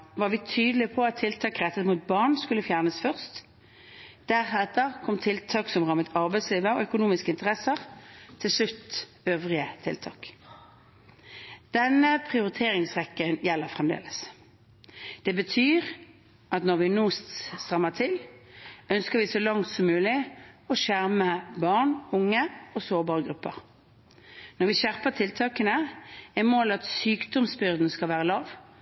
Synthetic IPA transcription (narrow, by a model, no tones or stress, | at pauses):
ʋɑʁʋɪt̪ʰyːd̪əlɪpʰɔɑt̪ʰːɪlt̪ʰɑːkʁɛt̪ət̪muːt̪̚bɑʁnskʉlːəfjæːʁnəsfœʁst̪ | d̪̥æʁhɛt̪ːəʁkʰɔmt̪ʰɪlt̪ʰɑːksɔmʁɑmət̪ʰɑʁbæɪsliːʋəɔœkʊnuːmɪskəɪnt̪əʁɛsəʁt̪ʰɪlʂlʉt̪ː | øːʋʁɪət̪ʰɪ̰lt̪ʰɑ̰ːk | d̪̥ɛnəpʰʁɪʊʁɪt̪ʰeːʁɪŋsʁɛkːənjɛlːəʁfʁɛmd̪ḛːləs | d̪̥ɛbət̪ʰyːʁ | ɑt̪nɔʁʋɪnuːst̪st̪ʁɑmːət̪ʰɪl | œnskəʁʋɪsɔlɑŋt̪sɔmːʉːlɪɔʃæʁməbɑʁɳʊŋːəɔsoːʁbɑːʁəɡɾʉpːə̰ʁ | nɔʁʋɪʃæʁpət̪ʰɪlt̪ʰɑːkənəɛmoːlɑt̪syːkd̪ɔmsbʏʁd̪n̩skɑlʋæːʁəlɑːʋ